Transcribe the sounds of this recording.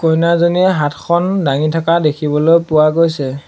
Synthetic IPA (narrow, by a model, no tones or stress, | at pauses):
kojnazoniɦatʰkʰɔndaŋitʰakadekʰibɔlojpʊwaɡojsɛ